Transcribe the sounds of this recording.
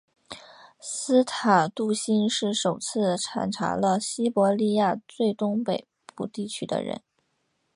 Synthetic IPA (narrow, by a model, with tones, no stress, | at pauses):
sɹ̩˥t̪ʰa˨˩t̪u˥˩ɕi˥nʂɻ̩˥˩ʂo˨˩ʊt͡sʰɹ̩˥˩ʈ͡ʂʰa̰˧˥˩nʈ͡ʂʰa̰˧˥lə˧ɕi˥pwɔ˧˥li˥˧ja˥˧t͡swe˥˩ɪt̪ʊ˥ŋpe˨˩ɪpṵ˥˩t̪i˥˩t͡ɕʰy˥d̪ə̰˧ɻə̰˧˥n